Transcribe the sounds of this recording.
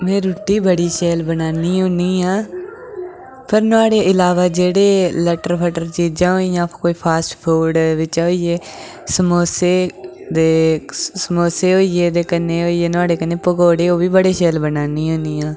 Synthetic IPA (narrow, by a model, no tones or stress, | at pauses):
mɛ̃ːɾuːʈːiːbəɽiːʃɛːlbənaːniːɦõːniːaː | pʰəɾnʊaːɽeːʔɪlaːʋaːd͡ʒeːɽeːlɛʈəɾpʰəʈəɾt͡ʃiːd͡ʒãːoːiːjãːkoːiːpʰaːsʈpʰuːlɖʋɪt͡ʃoːiːeː | səmoːseːd̪eːsəmoːseːɦoːieːd̪eːkəneːɦoːieːnaːɽeːkəneːpəɡoːɽeːoːʋiːbəɽeːʃɛːlbənaːniːɦõːniːãː